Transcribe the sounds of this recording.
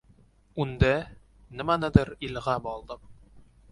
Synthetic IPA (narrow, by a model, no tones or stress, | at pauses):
und̪æ | nɘ̆mænɤd̪ɤɾilʁɑbɒlˠd̪ɤq